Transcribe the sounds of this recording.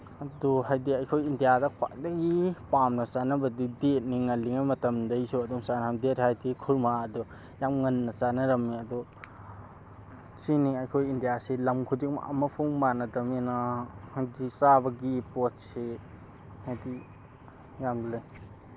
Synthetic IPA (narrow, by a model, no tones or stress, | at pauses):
ɐdɔɦajdiɐjkʰojindijadɐkʰwa̰ʔdɐɡipamnɐt͡ʃanɐbɐdidet̚niŋɐliŋajmɐtɐmdɐjsuɐdɔmsanamdethajdikʰuɾmaɐdɔ | jamŋɐnːɐt͡ʃanɐɾɐmːiɐdɔ | siniɐjkʰojindijasilɐmkʰudik̚m̰ʔɐ̰mɐpʰuŋmanɐdɐmenahajdisabɐɡipot̚se | hajdi | jamblaj